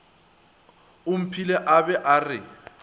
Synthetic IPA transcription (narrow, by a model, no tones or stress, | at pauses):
ʊm̩pʰilɛʔabɛʔarɪ